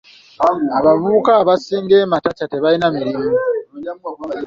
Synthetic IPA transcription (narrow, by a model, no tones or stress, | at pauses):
aβaβuukaːβasiːŋɡe̞ːmatacate̞βaɾinamiɾimu